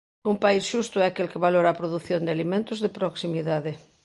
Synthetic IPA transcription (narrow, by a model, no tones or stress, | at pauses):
umpaisʃust̪ʊɛakelkɪβaloɾaːpɾoðuθjond̪eɪalimẽnt̪ʊzðɪpɾoksimiðaðɪ